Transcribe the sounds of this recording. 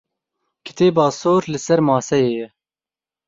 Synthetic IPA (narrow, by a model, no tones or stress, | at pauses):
kʰɨ̥t̪ʰeːbɑːsoːɾlɨsɛɾmɑːsɛjeːjɛ